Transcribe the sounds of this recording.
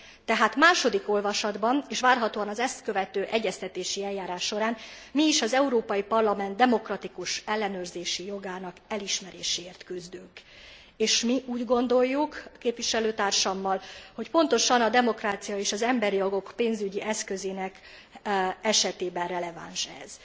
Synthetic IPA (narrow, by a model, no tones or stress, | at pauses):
t̪ɛɦaːt̪maːʃo̞d̪iko̞lvɒʃɒd̪bɒneːʃʋaːrɦɒt̪oːɒnɒzɛst̪kø̞vɛt̪øːʔɛɟːɛst̪ɛt̪eːʃiɛljːaːɾaːʃːo̞ɾaːn | miːʃɒzɛuɾoːpɒjipɒrlɒmɛnd̪d̪ɛmo̞krɒt̪ikuʃɛlːɛnøːrzeːʃijo̞ɡaːnɒkɛliʃmɛɾeːʃeːrt̪kyzd̪yŋk | eːʃmiʔuːɟɡo̞nd̪o̞jːukkeːpvʋiʃɛløːt̪aːrʃɒmːɒlho̞cpo̞nt̪o̞ʃɒnɒd̪ɛmo̞kraːt̪sijɒeːʃɒzɛmbɛɾijo̞ɡo̞kpeːnzyɟiʔɛskø̞zeːnɛk | ɛʃɛt̪eːbɛnrɛlɛva̰ːnʃɛ̰z̥